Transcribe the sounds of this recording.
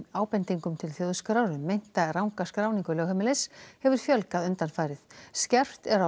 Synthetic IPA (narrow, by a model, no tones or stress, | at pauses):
aːwpɛnt̪iŋkʏmt̪ʰɪlθjoðskɾawɾʏːejn̥t̪arawŋkaskɾaːwniŋkʏlœwhɛmɪlɛshɛvʏɾ̥fjœlkaðʏnt̪anfaːjɾɪθscɛr̥t̪ɛɾa